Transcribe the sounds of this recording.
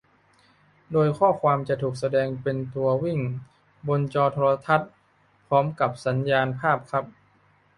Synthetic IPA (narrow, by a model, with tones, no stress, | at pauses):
doː˧jkʰɔː˥˩kʰwaː˧mt͡ɕa˨˩t̪ʰuː˨˩k̚sa˧dɛː˧ŋpe˧nt̪u˧ɐwi˥˩ŋ | bo˧nt͡ɕɔː˧t̪ʰoː˧ɾa˧t̪ʰa˦˥t̪̚ | pʰɾɔː˦˥mka˨˩p̚sa˩˦njaː˧npʰaː˥˩p̚kʰa˦˥p̚